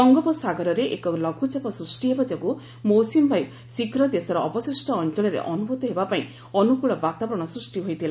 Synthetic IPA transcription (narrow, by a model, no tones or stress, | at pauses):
sɔŋɡɔpɔsaɡɔɾɔɾeʔḛkɔlɔɡʱud͡ʒapɔsɾusʈiɦebad͡ʒɔku | mowsimbʱaj | sikɾɔd̪esɔɾɔɔbɔsisʈɔːnt͡ʃɔɭɔɾḛʔɔnubʱut̪ɔɦebapaĩ | ɔnukuɭɔbat̪abɔɾɔɽ̃ɔsɾusʈiɦojt̪ʰila